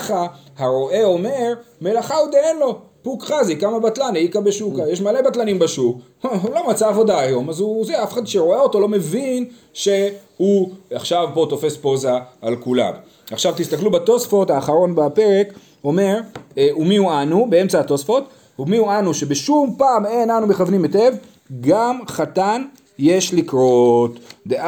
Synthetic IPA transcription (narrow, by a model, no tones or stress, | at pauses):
a | haʁo̞ʔe̞o̞me̞ʁme̞laχaud̪eenlo̞pukχazikamabat̪lanaikabeʃukajeʃmale̞bat̪lanimbaʃuk | ulo̞mat͡saːvo̞d̪aːjo̞mazuzeafeχad̪ʃeʁo̞eo̞t̪olome̞vin | ʃe̞huaχʃavpo̞t̪o̞fe̞spo̞zaːlkula̰m | aχʃavt̪ist̪aklubat̪o̞sfo̞t̪haːχaʁo̞nbape̞ʁe̞k | o̞me̞ʁumiuanube̞e̞mt͡saat̪o̞sfo̞t̪ | umiuanuʃe̞beʃumpaːmenanume̞χavnimete̞v | ɡamχat̪an | je̞ʃlikʁo̞t̪d̪e